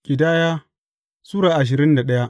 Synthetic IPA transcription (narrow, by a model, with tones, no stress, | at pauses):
kʲʼɪ˨daː˦jaː˦ | suː˦ɽaː˨ʔa˨ʃ̬ɪ˨ɾɪ˦nda˨ɗɐ˦ja˦ʔ